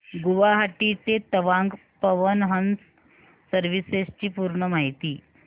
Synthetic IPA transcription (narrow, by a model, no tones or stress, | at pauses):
ɡuʋaɦaʈit̪et̪əʋãŋɡ | pəʋənɦəns | səɾʋisest͡ɕiːpuːɾɳəmaɦit̪iː